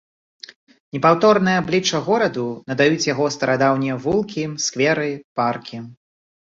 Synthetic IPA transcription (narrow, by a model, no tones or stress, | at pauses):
nʲɛpawt̪ɔrnɨjɐblʲit͡ʂɐɣɔɾɐd̪unɐd̪ajut͡sʲjaɣɔst̪ɐɾad̪awnʲɛvulˠkʲiskvʲɛɾɨparkʲi